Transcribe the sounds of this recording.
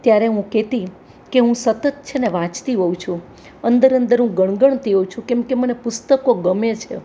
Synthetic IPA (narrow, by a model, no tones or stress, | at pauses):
t̪jaɾeɦũket̪i | keɦũsət̪ət̪̚t͡ʃʰeneʋãt͡ʃt̪iɦowt͡ʃʰũ | ənd̪əɾənd̪əɾɦũɡəɳ̃ɡəɳ̃t̪iɦowt͡ʃʰũkɛ̃mkemənepʊst̪əkoɡəmet͡ʃʰḛ